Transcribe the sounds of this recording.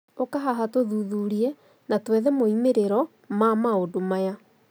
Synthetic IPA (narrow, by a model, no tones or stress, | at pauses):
okaɦaɦatoðuðuɾiɛ | natwɛðɛmoimeɾeɾɔ | mamaodomaja